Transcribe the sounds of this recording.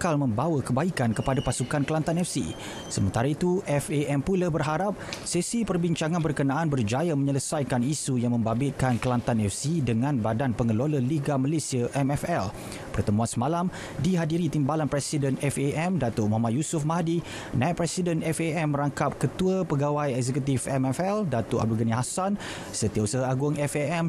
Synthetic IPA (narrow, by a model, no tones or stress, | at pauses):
kalmə̃mbawəkəbaikankəpadapasukankəlant̪anɛfsḭ | səmənt̪aɾait̪uʔɛfeʔɛmpulabərɦaɾap̚sisipərbiɲt͡ʃaŋãnbərkənaʔanbərd͡ʒajaməɲələsajkanisujaŋmə̃mbabɪt̪̚kankəlant̪anɛfsidəŋãnbadanpəŋəloləliɡamalesiaʔɛmɛfɛl | pərt̪əmũansəmalam | diɦadiɾit̪imbalanpɾɛsidənɛfeʔɛmdat̪ʊʔumamaʔ̪jusʊfmahdi | nãit̪̚pɾɛsidənɛfeɛmːəɾaŋkap̚kət̪uəpəɡawajɛkzɛkut̪ifɛmɛfɛldat̪ʊʔa̰b̚dulɡəniɦasan | sət̪iausəɦaaɡʊŋɛfɛɛm